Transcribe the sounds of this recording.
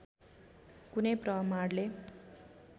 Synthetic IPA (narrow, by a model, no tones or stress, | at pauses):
kunʌjprʌmaɽle